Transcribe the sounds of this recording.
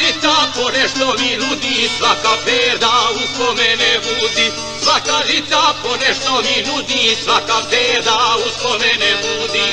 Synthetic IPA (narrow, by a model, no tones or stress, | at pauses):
it̪aponeʃt̪ominud̪isʋakabeːɾd̪auskomɛneʋuːd̪i | sʋakaʒit̪t̪aponeʃt̪ominud̪isʋakabeːɾd̪auskomeneʋuːd̪i